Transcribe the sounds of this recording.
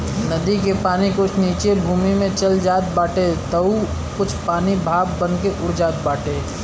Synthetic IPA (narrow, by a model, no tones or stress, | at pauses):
nɐd̪ikepaːnikʊt͡ʃʰniːt͡ʃebʱuːmimẽt͡ʃɐld͡ʒaːt̪̚baːʈet̪əu | kʊt͡ʃʰpaːnibʱaːbbənkeʔʊɾd͡ʒaːt̪̚baːʈeː